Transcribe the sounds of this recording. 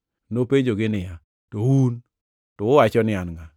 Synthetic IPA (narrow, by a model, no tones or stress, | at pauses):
noped͡ʒoɡɪnɪja | towun | tɔʊwat͡ʃɔnɪanŋa